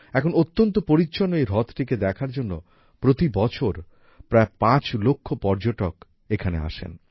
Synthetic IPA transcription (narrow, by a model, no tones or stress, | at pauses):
ɛkʰonot̪ːont̪opoɾit͡ɕːɕonːoejɾɔt̪ʈiked̪ɛkʰaɾd͡ʑonːo̰ | pɾot̪ibɔt͡ɕʰoɾ | pɾaepãt͡ɕlokʰːopɔɾd͡ʑoʈok | ekʰanḛa̰ʃḛn